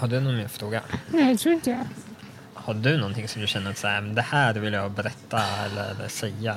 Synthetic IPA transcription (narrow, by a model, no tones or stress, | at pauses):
hɑd̪ːəd̪ʉnuːnmyːəfɾoːɡə̰næɛt̪ʰɾuːɾɪæ | hɑd̪ːəd̪ʉnɔnt̪ʰɪŋsɔmd̪ʉçɛnːəɾt̪sɑmnd̪ɛhæːɾʋɪljæɪbəɾɛt̪ːɑɛ̰lːə̰ɾə̰sæɪɑ